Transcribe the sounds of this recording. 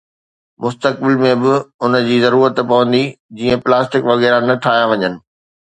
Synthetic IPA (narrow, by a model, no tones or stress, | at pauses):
mʊst̪ək̚bɪlmẽbɪʊnəd͡ʑiːzɐɾuːɾət̪pɐʋə̃nd̪id͡ʑiːə̃plaːsʈɪkʋɐɣɛːɾanɐʈʰaːɦjaʋɐɲənɪ̆